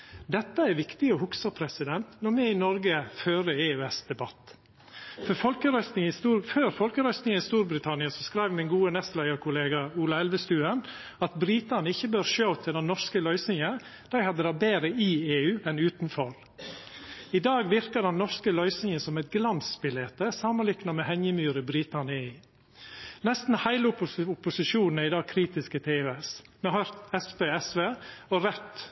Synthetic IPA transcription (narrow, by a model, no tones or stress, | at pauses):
d̪ɛt̪ːəæɾʋɪkt̪ɪɔhʊksɑpʰɾɛsɪd̪ɛnt̪nɔɾmɛɪnɔɾɡəføːɾəeːøɛsd̪̥ɛbɑt̪ː | fɔɾfɔlkəɾœsɪsuføːɾfɔlkəɾœʏsnɪŋənɪst̪uːɾbɾɪt̪ʰɑnɪɑsɔskɾæɪʋmɪnɡuːənɛst̪læɪɡəɾkʰʊleːɡɑuːlɑɛlʋəst̪ʉːən | ɑt̪bɾiːt̪ənɪçːəbøːɾʃøːɔt̪ʰːɪld̪ɛnnːɔʂkəlœʏsnɪŋə | d̪̥æɪhɑd̪ːəd̪ɑːbeːɾəɪeːʉːʔɛnʉːt̪n̩fɔɾ | ɪd̪ɑːɡʋɪɾkəd̪ɛnːɔɾskəlœʏsɪŋəsɔmɛɪt̪̚ɡlɑnsbɪleːt̪əsɑmənlɪknɑmɛhɛɲjəmyːɾəbɾiːt̪ɑnəiː | nɛst̪n̩hæɪləʊʊpːʊsɪʃuːn̩æɪd̪ɑːɡ̚kʰɾiːt̪ɪskət̪ʰeːʋesmɛhœɾt̪ɛspeɛsʋeːɔɾɛt̪